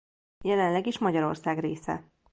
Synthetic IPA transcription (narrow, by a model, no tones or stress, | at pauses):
jɛlɛnlɛɡiʃmɒɟɒɾo̞̰rsaːɡreːsɛ̰